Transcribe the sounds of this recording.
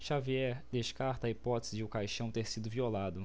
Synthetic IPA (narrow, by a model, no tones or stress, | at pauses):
ʃaviɛɾd̪eʃkaɾt̪ɐːipɔt̪ezɪd͡ʒɪʊkajʃɐ̃w̃t̪eɾsid̪ʊviolad̪ʊ